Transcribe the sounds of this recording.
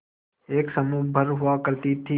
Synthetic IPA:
eːksəmuːbʱəɾɦʊaːkəɾt̪iːt̪ʰiː

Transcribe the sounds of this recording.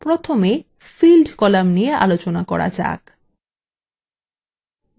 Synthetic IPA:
pɾot̪ʰome | filɖkɔlamnieʔa̰lot͡ɕonakɔ̰ɽa̰d͡ʑa̰k

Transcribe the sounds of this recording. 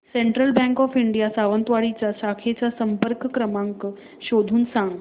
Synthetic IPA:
seɳʈɾəlbɛ̃ŋkɔfiɳɖijasaʋənt̪ʋaɽit͡ɕasakʰet͡ɕasəmpəɾkkɾəmãŋk | ɕod̪ʱuːnsãŋɡ

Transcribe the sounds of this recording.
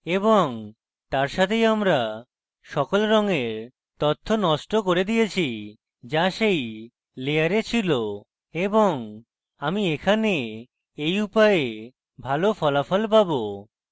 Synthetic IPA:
eboŋ | t̪aɾʃat̪ʰejamɾa | ʃɔkolɾɔŋeɾ | t̪ɔt̪ʰːonɔʃʈokoɾed̪ijet͡ɕʰi | d͡ʑaʃej | lejaɾet͡ɕʰilo | eboŋ | amiekʰane | ejupae | bʱalofɔlafɔlpabo

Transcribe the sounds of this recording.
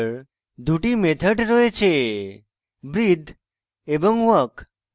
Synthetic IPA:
d̪uʈimet̪ʰəʈɾɔet͡ʃʰe | bɾid̪ʱ | ebɔŋʋək

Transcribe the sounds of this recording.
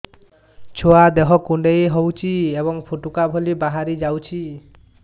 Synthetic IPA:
t͡ʃʰoad̪eɦɔkuɳɖejeɦowt͡ʃʰiebɔŋpʰoʈukabʱɔlibaɦaɾid͡ʒawt͡ʃʰi

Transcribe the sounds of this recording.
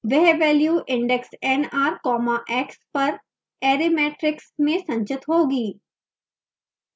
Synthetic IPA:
ʋɛɦʋɛːljuːʔɪ̃ɳɖɛksɛnaːɾkɔːmaʔɛːkspɐɾ | ɛːɾimeːʈɾɪksmẽsɐ̃ɲt͡ʃɪt̪ɦoːɡiː

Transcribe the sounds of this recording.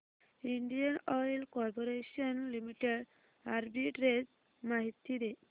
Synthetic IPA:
iɳɖijanɔjlkɔɾpoɾesɔnlimiʈeɖ | aɾbiʈɾed͡ʒ | maɦit̪ːiɾe

